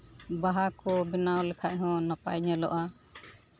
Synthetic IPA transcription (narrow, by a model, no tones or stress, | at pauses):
baɦakɔbɛnawlɛkʰaʔ̚ɦɔ̃napa̰jɲɛlɔ̰ʔa